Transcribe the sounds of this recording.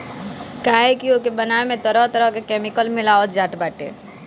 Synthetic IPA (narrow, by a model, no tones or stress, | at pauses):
kaːɦekiokebənaemẽt̪əɾəɦt̪əɾəɦkekeːmɪkəlmɪlaːot̪d͡ʒaːʈbaːʈḛ